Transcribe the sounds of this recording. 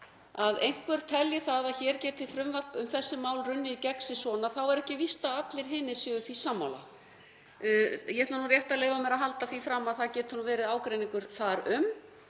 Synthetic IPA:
aðejŋ̥kvɛɾ̥t̪ʰɛljɪθaðaðçɛɾcɛːt̪ɪθɾʏmvapʏmθɛsːɪmaːwlrʏnːɪicɛksɪsvɔːnaθawɛɾɛhcɪvist̪aat̪lɪɾ̥ɦɪːnɪsʏːɣʏθvisamːa̰wla̰ | jɛɛt̪anurjɛht̪aleːjvamɛɾaɦalt̪aθvifɾamːaðθaðcɛːt̪hunʏvɛːɾɪðaːwkɾejniŋkʏɾ̥θaɾʏm

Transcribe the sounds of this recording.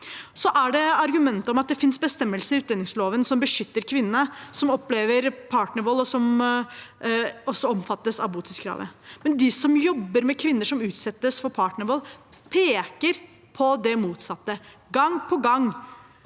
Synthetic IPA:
sɔʔæɖɛɑɾɡʉmɛnt̪əɔmɑt̪̚d̪ɛfɪnsbəst̪ɛmːəlsəɾɪʉːt̪̚d̪ɛnɪŋsloːʋənsɔmbəʂʏt̪ːəɾkʰʋɪnənəsɔmɔpːleːʋəɾpʰɑːʈɳəɾʋɔlːɔsɔm | ɔsːɔɔmfɑt̪ːəsɑ̰ʋbuːt̪ʰɪskʰɾɑ̰ːʋə̰mɛnd̪ɪsɔmjɔbːəɾmɛkʰʋɪnːəʂɔmʉːt̪sɛt̪ːəsfɔɾpʰɑːʈɳəɾʋɔlpʰeːkəɾ | pʰɔd̪ɛmuːt̪sɑt̪ːəɡɑŋpʰɔɡɑŋ

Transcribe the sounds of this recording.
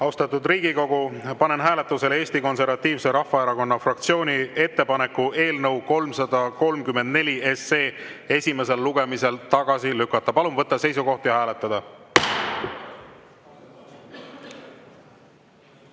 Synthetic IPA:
ɑwst̪ɑt̪ːud̪riːɡ̥iko̞ɡ̥upɑne̞nɦæːle̞t̪ːˑuse̞lee̞ːsʲt̪iko̞nse̞rvɑt̪ːiːvse̞ɾɑhːɑeɾɑko̞nːɑfrɑkt̪sio̞ːnʲie̞t̪ːe̞pɑne̞kːˑuʔe̞ːlnɤwko̞lmsɑd̪̥ɑko̞lmkyme̞nd̪ne̞lʲie̞sːe̞ːe̞sʲime̞se̞lːuɡ̥e̞mise̞lt̪ɑɡ̥ɑsilykːˑɑt̪ːˑɑpɑlumvɤt̪ːˑɑse̞jsuko̞ht̪jɑhæːlet̪ˑːɑd̪̥ɑ

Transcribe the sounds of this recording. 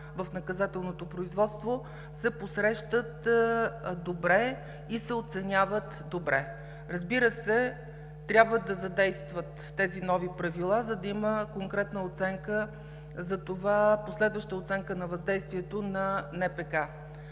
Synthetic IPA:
vəfnɐkɐzat̪ɛlˠnot̪opɾoizvɔt̪st̪vo | sɛposɾɛʃt̪ət̪ | d̪obɾɛ | isɛot̪sɛnʲjavət̪d̪obɾʔɛ | ɾəzbiɾəsɛ | t̪ɾʲjabvəd̪ɐzɐd̪ɛjst̪vət̪ːɛzinɔvipɾɐvilˠazɐd̪ɐiməkoŋkɾɛt̪nəot̪sɛŋkə | zɐt̪ovaposlɛd̪vəʃt̪əot̪sɛŋkənɐvɐzd̪ɛjst̪viɛt̪onɐnɛpɛka

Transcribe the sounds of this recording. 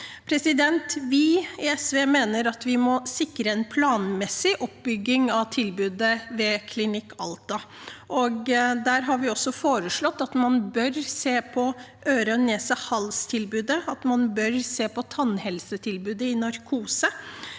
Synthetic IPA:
pʰɾɛsɪd̪ɛnt̪ʋɪɪɛsʋeːmeːnəɾɑt̪ʋɪmɔsɪkɾəɛnpʰlɑːnmɛsɪʔɔp̚bʏɡːɪŋɑʋt̪ʰɪlbʉːd̪əʋɛːkʰlɪnɪkːɑ̰lt̪ɑ | ʔɔɡd̪æːɾɦɑɾʋɪɔsːɔfoːɾəʂɭɔt̪ːɑt̪mɑnbœɾseːpʰɔ | ʔøːɾəneːsəhɑlst̪ʰɪlbʉːd̪əɑt̪mɑnbœɾseːpɔt̪ʰɑnhɛlsət̪ʰɪlbʉːd̪əɪnɑɾkʰuːsə

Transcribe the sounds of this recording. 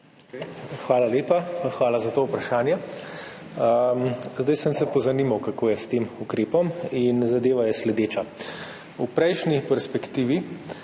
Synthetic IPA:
xʋaːlaleːpaxʋaːlazat̪oːwpɾaʃaːnjɛ | əmzd̪ajsəmsɛpɔzanimawkakoːjɛst̪eːmukɾeːpɔminzad̪eːʋajɛslɛd̪eːt͡ʃa | upɾɛjʃnipɛɾspɛkt̪iːʋi

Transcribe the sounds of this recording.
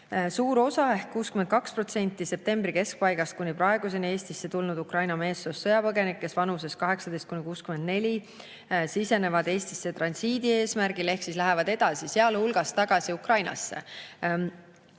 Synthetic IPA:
suːɾo̞sɑe̞hkkːuːskyme̞n̚kɑkspro̞t̪se̞nʲt̪ːˑise̞p̚t̪e̞mbɾike̞sk̚pɑjɡ̥ɑst̪̚kunʲipɾɑe̞ɡ̥use̞nie̞ːst̪isːe̞t̪ulnud̪ukrɑjnɑme̞ːsːosːɤjɑpɤɡe̞nikːe̞svɑnuse̞skɑɦe̞ksɑd̪e̞jst̪kunʲikuːskymend̪ne̞lʲi | sise̞ne̞vɑd̪e̞ːst̪isːe̞t̪rɑnsiːd̪̥ie̞ːsmæɾɡ̥ile̞hksislæɦevɑd̪̥e̞d̪̥ɑsiseɑlhulɡ̥ɑst̪ɑɡ̥ɑsiukrɑjnɑ̰sːe̞̰

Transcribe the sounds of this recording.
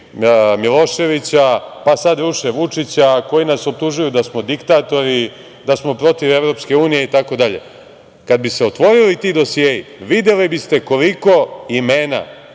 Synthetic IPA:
milˠo̞ʃe̞ʋit͡ɕapasad̪ɾuʃeʋut͡ʂit͡ɕako̞jinaso̞p̚t̪uʒujud̪asmo̞d̪ikt̪aːt̪o̞ɾi | d̪asmo̞pɾo̞t̪iʋe̞vɾo̞pske̞uːnije̞it̪ako̞d̪aʎe̞̰ | kad̪̚bise̞o̞t̪ʋo̞ɾilit̪id̪o̞sijeːjiʋid̪je̞libist̪e̞ko̞liko̞imeːna̰

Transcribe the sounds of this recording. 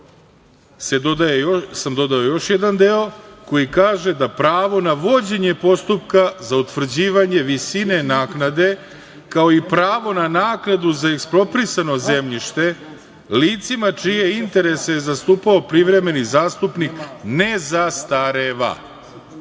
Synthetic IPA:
sed̪od̪aesamd̪o̞d̪ao̞jo̞ʃjed̪and̪eoko̞jikaːʒe̞d̪apɾaːʋo̞naʋo̞d͡ʑe̞ɲe̞po̞st̪upkazaut̪ʋr̩d͡ʑiːʋaɲe̞ʋisine̞naːknad̪e̞ | kao̞ipɾaːʋo̞nanaːknad̪uzaeksplo̞pɾisano̞ze̞mʎiʃt̪e̞ | liːt̪simat͡ʃije̞int̪e̞ɾe̞sejezast̪uːpao̞pɾiʋɾe̞me̞nizaːst̪upnikne̞zast̪aɾeʋa̰

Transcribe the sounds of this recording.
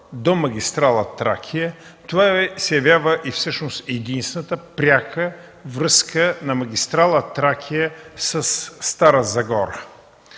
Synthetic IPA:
d̪omɐɡʲist̪ɾalˠət̪ɾa̰kʰijət̪ovaɛsjɐvʲjavəʔifsɤʃnosɛd̪inst̪ɛnət̪əpɾʲakʰə | vɾəskənɐmɐɡʲist̪ɾalˠət̪ɾakʰijəsɐsːt̪aɾəzɐɡɔɾə

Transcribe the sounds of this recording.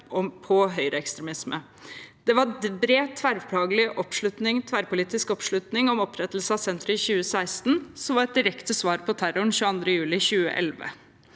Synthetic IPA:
ɔmpʰɔɦœʏɾʔəɛkst̪ɾɛmɪsmə | d̪̥ɛʋɑbɾeːt̪ʰʋæɾpʰɽɑːɡəlɪʔɔpʂɭʉt̪nɪŋt̪ʰʋæɾpʊliːt̪ɪskɔpʂɭʉt̪nɪŋɔmɔpʰɾɛt̪ːl̩səɑsɛnt̪ɾəɪçʉːəsæɪst̪n̩sɔmʋɑɾɛt̪̚d̪ɪɾɛkt̪əsʋɑːɾpɔt̪ʰæɾʊɳçʉːəɑnd̪ɾəjʉːlɪçʉːə̰ʔɛ̰lʋə̰

